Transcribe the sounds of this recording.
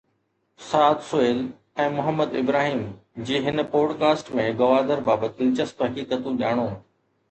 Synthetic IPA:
saːd̪sʊeːl | ɛ̃ːmʊɦəmːəd̪ɪ̰bɾaːɦiːmd͡ʑiːɦɪnpoːɖkaːsʈmẽɡɐʋaːd̪əɾbaːbət̪ɪlt͡ɕəst̪ɦɐkiːkət̪ũʄjaːɽ̃õː

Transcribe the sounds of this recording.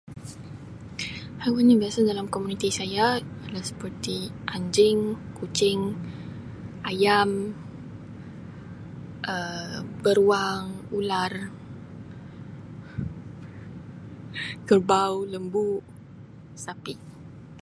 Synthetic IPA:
hawanɲabiasadalamkomunit̪isajaalasə̥pərt̪iʔaɲd͡ʒɪŋkut͡ʃɪŋ | ajam | ʔəbəɾuaŋular | kərbawləmbu | sapiʔ

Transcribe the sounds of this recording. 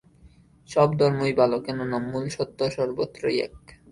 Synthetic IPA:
ʃɔbd̪ʱɔɾmujbalokenonamːulʃot̪ːoʃɔɾbot̪ːɾojɛ̰k

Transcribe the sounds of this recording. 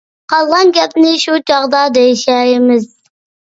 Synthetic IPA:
qʰɑlˠʁɑnɡʲɛp̚nɪʃut͡ʃʰɑʁd̪ɑd̪ejʃæjɪmɪz

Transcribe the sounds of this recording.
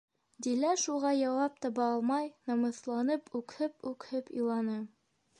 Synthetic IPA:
d̪ilæʃuʁɑjɑwɑp̚t̪ɑβɑɑlˠmɑjnɤ̆mɤ̆θlˠɑnɤpʉkhɘpʉkhɘpḭ̆lˠɑnɤ

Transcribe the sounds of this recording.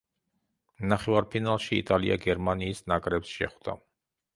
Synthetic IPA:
naχɛvaɾpʰinalˠʃḭːt̪ʼalḭʔa̰ɡɛɾmaniːsnakʼɾɛpsʃɛ̰χd̪̥a̰

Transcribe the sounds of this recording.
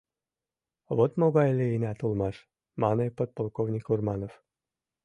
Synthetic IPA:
βot̪moɣɑjlʲeinæt̪ulˠmɑʃ | mɑnɤjpot̪̚polˠkovnʲikurmɑnof

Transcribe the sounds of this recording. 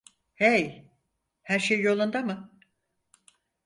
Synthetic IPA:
hej | hæɾʃejjo̞lˠund̪amɯ

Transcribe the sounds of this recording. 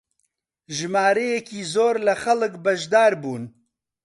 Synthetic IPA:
ʒɨmaːɾɛjɛkiːzoːɾlɐxɐlɨkbɐʒd̪aːɾbuːn

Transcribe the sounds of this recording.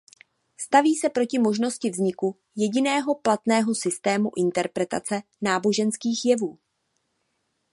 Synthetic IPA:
st̪aviːsɛpɾo̞cɪmo̞ʒno̞scɪvzɲɪku | jɛɟɪnɛːɦo̞plat̪nɛːɦo̞sɪst̪ɛːmuʔɪnt̪ɛɾpɾɛt̪a̰t͡sɛ | naːbo̞ʒɛnskiːxjɛvuː

